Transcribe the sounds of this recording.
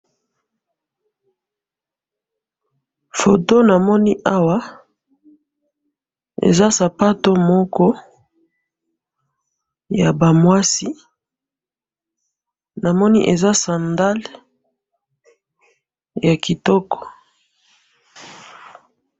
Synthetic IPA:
fo˨to˦na˨mɔ˦ni˦ʔa˦wa˦ | ḛ˨za˦sa˨pa˦to˦mɔ˦kɔ˦ | ja˨ba˨mwa˦si˦ | na˨mɔ˦ni˦ʔe˨za˦sa˨nda˦l | ja˨ki˨tɔ˦kɔ̥˨

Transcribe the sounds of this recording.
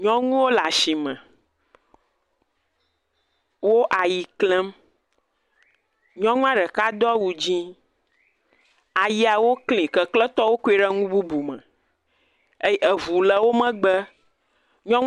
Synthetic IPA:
ɲɔ̃˦ŋũ˦wo˦la˨ʃi˨mɛ̃˨ | wo˦ʔa˨ji˨klɛ̃˦m | ɲɔ̃˦ŋũ˦a˦ɖə˨ka˦d̪ɔ˦wu˨d͡ʑĩ˦ | a˨ji˦a˨wo˦klĩ˨kə˨klɛ̃˦t̪ɔ˦wo˦ku˦e˨ɖɛ˦ŋũ˦bu˦bu˨mɛ̰̃˨ | e˦jə˨vu˨lə˨wo˦mə̃˦ɡ͡bə˦ | ɲɔ̃˦ŋ

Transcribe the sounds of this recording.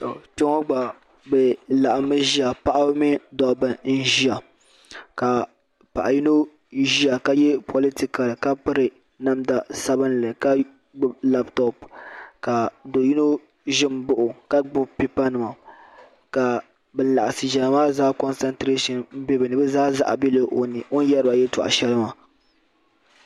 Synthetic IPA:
to̰˨tɛ˦ŋo˦ɡ͡ba˨ | bɛ˨la˨ʔa˨mɨ˦ʒi˦a˨pa˦ʔa˦bmɪ˦dɔ˨bɨ˨n̩˦ʒi˦a˨ | ka˨ | pa̰˨ʔa˨ji˦no˦ | ʒi˦a˨ka˦jɛ˦pʰo˨li˦ti˦ka˨lka˦pɨ˦ɾɨ˨ | na˦mda˨sa˦bɨ˦n˨lɨ˨ka˦ | ɡ͡bla˦ptɔ˨pka˨do˨ji˦no˦ | ʒɪ˦mbʊ˨ʔʊ˨ka˦ɡ͡bʊ˦pi˦pa˦nɨ˨ma˨ | ka˨ | bɨ˦n˦˨la˨ʔa˨sɨ˨ʒɛ˨lmaː˦zaː˦kɔ˦nsɛ˦ntɾe˦ʃɔ˨nm̩˦be˦bɨ˨nɨ˨bɛ˦zaː˦za̰˨ʔa̰˨bi˦lɨ˦ʔo˨nɨ˨o˦n˦jɛ˦ɾɨ˦ba˨jɛ˦tɔ̰˨ʔa̰˨ʃɛ˦lɨ˦ma˨

